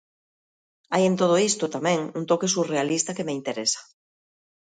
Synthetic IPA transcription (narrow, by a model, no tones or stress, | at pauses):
ajent̪oð̞oist̪ot̪amɛ̃ŋunt̪okesurealist̪akemeint̪eɾesḁ